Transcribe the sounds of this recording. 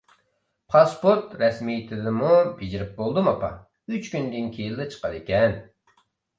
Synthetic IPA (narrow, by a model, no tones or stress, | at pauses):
pʰɑspoɾt̪ɾɛsmijt̪ʰɪd̪ɪmubid͡ʒiɾɪp̚bolˠd̪umɑpɑ | yt͡ʃkʲynd̪ɪnkʲʰejild̪ɪt͡ʃʰə̥qʰɑɾɪkʲʰɛn